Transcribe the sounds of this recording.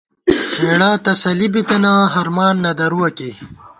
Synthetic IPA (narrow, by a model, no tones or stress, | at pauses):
meɽaːt̪ɐsɐlibit̪ɐnãːɦɐɾmaːnːɐd̪ɐɾuwɐke